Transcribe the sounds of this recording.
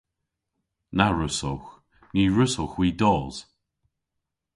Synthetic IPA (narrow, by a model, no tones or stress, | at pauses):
naɹʊsɔx | niːɹʊsɔxwiːdɔːz̥